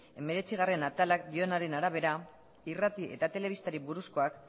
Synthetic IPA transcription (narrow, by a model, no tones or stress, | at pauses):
e̞me̞ɾe̞t͡siɣ̞are̞nat̪alak̚d̪io̞naɾe̞naɾaβ̞e̞ɾa | irat̪iʔe̞t̪at̪e̞le̞β̞ist̪aɾiβuɾusko̞ak